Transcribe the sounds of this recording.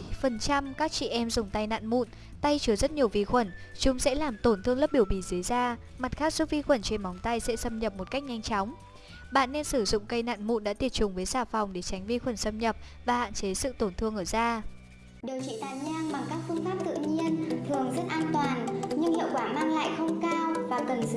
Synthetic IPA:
fə˨˩nt͡ɕa˧mkaː˦˥k̚t͡ɕḭ˧˨ʔɛ˧mzʊ˨˩ŋ͡mt̪a˧jna̰ː˧˨nmṵ˧˨n | t̪a˧jt͡ɕɨ˨˧˩əzə˦˥t̚ɲi˨˩əwvi˧xwə˧˩nt͡ɕʊ˨˦ŋ͡msɛ̰˧˥laː˨˩mt̪o˧˩nt̪ʰɨ˧əŋlə˦˥p̚ɓi˧˩əwɓi˧˩zɨ˨˦jzaː˧ | ma˨˩t̚xaː˦˥k̚su˦˥t̚vi˧xwə˧˩nt͡ɕe˧nma˨˦wŋ͡mt̪a˧jsɛ̰˧˥sə˧mɲə˨˩p̚mo˨˩t̚ka˦˥jk̟̚ɲa˧jŋt͡ɕɔ˨˦wŋ͡m | ɓa̰ː˧˨nːe˧nsɨ˧˩zʊ̰˧˨ŋ͡mkə˧jna̰ː˧˨nmṵ˧˨nɗa̰ː˧˥t̪i˧˩ət̚t͡ɕʊ˨˦ŋ͡mvəː˨˦jzaː˧˩fa˨˩wŋ͡mɗe˧˩t͡ɕa˨˦jŋ̟vi˧xwə˧˩nsə˧mɲə˨˩p̚ | vaː˨˩ha̰ː˧˨nt͡ɕe˨˦sɨ̰˧˨t̪o˧˩nt̪ʰɨ˧əŋʔəː˧˩zaː˧ | ɗi˨˩əwt͡ɕḭ˧˥˨t̪aː˨˩jɲaː˧ŋɓa˨˩ŋkaː˦˥k̚fɨ˧ŋfaː˦˥p̚t̪ɨ̰˧˨ɲi˧ənt̪ʰɨ˨˩əŋzə˦˥t̚ʔaː˧nt̪waː˨˩nɲɨ˧ŋhḭ˧˨əwkwaː˧˩maː˧ŋla̰ː˧˨jxə˧wŋ͡mkaː˧wvaː˨˩kə˨˩n˧

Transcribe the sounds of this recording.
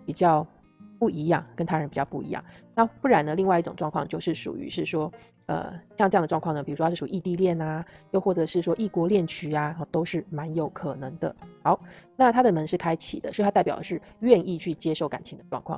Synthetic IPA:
pi˨˩t͡ɕjɑ˥˧ʊ | pu˥˩i˧˥jɑ˥˩ŋkə˥nt̪ʰa˥ɻə˧˥npi˨˩t͡ɕɑ˥˧ʊpu˥˩ḭ˧˥jɑ̰˥˩ŋna˥˨pu˥˩ɻa˧˥nd̪ə˧li˥˧ŋwa˥˧i˥˩ʈ͡ʂʊ˨˩ŋʈ͡ʂwɑ˥˧ŋkʰwɑ˥˧ŋt͡ɕjo˥˧ʊʂɻ̩˥˩ʂṵ˨˩y̰˧˥ʂɻ̩˥˩ʂwɔ˥ | ə̰˧˩˥ɑ˥˧ŋʈ͡ʂɤ˥˧˥ŋd̪ə˩ʈ͡ʂwɑ˥˧ŋkʰwɑ˥˩nə˩pi˨˩u˧˥ʂɔ˥˩ʂu˨˩˧i˥˧t̪i˥˧ljɛ˥˩na˩jo˥˧xwɔ˥˩ɤ˧˦ʂɻ̩˥˩ʂwɔ˥ʔi˥˩kwɔ˧˥ljɛ˥˩nt͡ɕʰy˧˥a˧ə˩t̪o˥ʊʂɻ̩˥˩ma˧˥njo˨˩ʊkʰɤ˨˩nɤ˧˥ŋd̪ə̰˧xɑ˧˥ʊna˥˨t̪ʰa˥d̪ə˨mə˧˥ŋʂɻ̩˥˩kʰa˥ɪt͡ɕʰḭ˨˩d̪ə˦swt̪ʰa˥˩pjʊə˦ʂɻ̩˥˧˩ɥɛ˥˧ni˥˧t͡ɕʰy˥˩t͡ɕjɛ˥ʂo˥˩ʊka̰˨˩nt͡ɕʰi˧˥ŋd̪ə˧ʈ͡ʂwɑ̰˥˧ŋkʰwɑ̰˥˨ŋ

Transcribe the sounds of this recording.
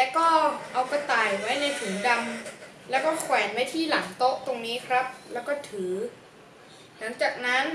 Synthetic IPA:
t̪ɛ˨˧˩kɔː˥˩ʔa˧wka˧t̪aː˨˩jwa˦˥jna˧jfʰu˨˩˦ŋda˧m | lɛː˦˥wkɔː˥˩kʰwɛː˩˦nwa˦˥jt̪ʰiː˥˩la˩˦ŋt̪o˦˥ʔ̚t̪o˧ŋniː˦˥kʰɾa˦˥p̚lɛː˦˥wkɔː˥˩t̪ʰɯː˩˦ | la˩˦ŋt͡ɕaː˨˩k̚na˦˥n

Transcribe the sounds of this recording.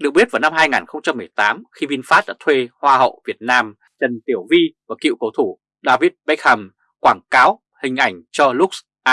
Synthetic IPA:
ɗɨ˨˩ək̚i˦˥t̚vaː˨˩na˧mɦaː˧jŋaː˨˩nxə˧wŋ͡mt͡ɕa˧mːɨ˨˩əjt̪aː˨˦mxi˧vi˧nfaː˦˥t̚ɗa̰ː˧˥t̪ʰwe˧hwaː˧hə̰˧˨wvi˨˩ət̚naː˧m | t͡ɕə˨˩nt̪i˧˩əwvi˧vaː˨˩kḭ˧˨wkə˨˦wt̪ʰu˧˩ | ɗaː˧vi˦˥t̚ɓk̚ha˧˩m | kwaː˧˩ŋkaː˨˦w | hï˨˩ŋ̟ʔa˧˩jŋ̟t͡ɕɔ˧lʊ˦˥k͡p̚ | ʔaː˧

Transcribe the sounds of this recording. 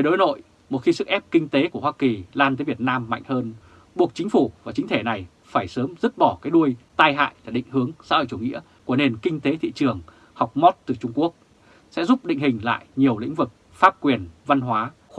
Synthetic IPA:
ve˧˩ɗo˨˦jno̰˧˨j | mo˨˩xi˧sɨ̰˧˥˩kʔɛ˦˥p̚kï˧ŋ̟t̪e˨˦ku˧˩əwaː˧ki˨˩laː˧nt̪əː˨˦jvət̚naː˧mːa̰˧˨jŋ̟həː˧n | ɓu˨˩ək̚t͡ɕï̟˨˦fu˧˩vaː˨˩t͡ɕï˨˦ŋ̟t̪ʰe˧˩na˨˩j | faː˧˩jsəː˨˦mzɨ˦˥t̚ɓɔ˧˩kaː˨˦jɗu˧əjt̪aː˧jɦa̰ː˧˨jlaː˨˩ɗḭ̈˧˨ŋ̟hɨ˨˦əŋsa̰˧˥ho̰˧˨jt͡ɕu˧˩ŋḭ˧˥ə | ku˧˩əne˨˩nkï˧ŋ̟t̪e˨˦t̪ʰḭ˧˨t͡ɕɨ˨˩əŋ | ha˨˩wk͡p̚mɔ˦˥t̚t̪ɨ˨˩t͡ɕʊ˧ŋ͡mku˦˥ək̚ | sɛ̰˧˥zʊ˦˥p̚ɗḭ̈˧˨ŋ̟hï˨˩ŋ̟la̰ː˧˨jɲi˨˩əwlḭ̈˧˥ŋ̟vɨ˨˩k̚ | faː˦˥p̚kwi˨˩ənva˧nɦwaː˨˦

